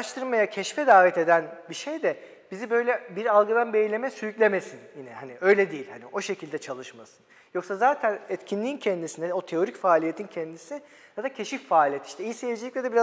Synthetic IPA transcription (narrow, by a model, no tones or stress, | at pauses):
aʃt̪ʰɯɾmajacʰɛʃfɛd̪aːvɛt̪e̞d̪ænbiʃejd̪ɛ | bizibø̞jlʲɛbiɾalˠɡɯd̪anbejlʲe̞mɛsyycʲlʲemesinjinɛhaniø̞jlʲɛd̪ejilʲhanio̞ʃecʰilʲd̪ɛt͡ʃʰalˠɯʃmasɯ̥n | jo̞ksazaːt̪ʰænɛt̪cʰinlʲiːncʰɛnd̪isinɛo̞t̪ʰe̞o̞ɾicfaːlʲije̞t̪ʰincʰɛnd̪isi | jad̪acʰeʃiffaːlʲijɛt̪i̥ʃt̪ɛijsejid͡ʒilʲiclʲɛd̪ɛbiɾa